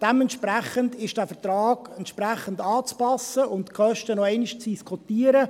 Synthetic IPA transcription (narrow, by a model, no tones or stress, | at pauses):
d̥ɛmɛntʃpɾæχəndɪʃd̥æːfəɾtrɑːɡɛnt̪ʃpɾæχəndɑːt͡spɑsːəʔʊntkʰχœʃtənɔɛɪnɪʃt͡sd̥iskʰotiːəɾə